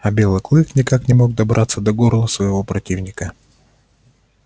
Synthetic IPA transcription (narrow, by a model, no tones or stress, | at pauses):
ɐbʲe̞lˠɨklˠɨknʲɪkaknʲɪmo̞ɡ̚d̪ɐbɾʔat̪sːəd̪ɐɡorlˠəsvəjɪvo̞pɾɐtʲivnʲɪkə